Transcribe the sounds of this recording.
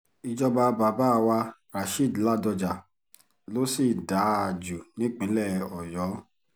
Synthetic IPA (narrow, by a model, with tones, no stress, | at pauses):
i˧d͡ʒɔ˧ba˧ba˨ba˦˧˨wa˧ɾa˨ʃi˦˨dla˦˨dɔ˧d͡ʒa˨ | lo˦si˦˨da˨˦a˨d͡ʒu˨nĩ˨˦k͡pĩ˨˦lɛ˦˨ɔ˨jɔ˨˦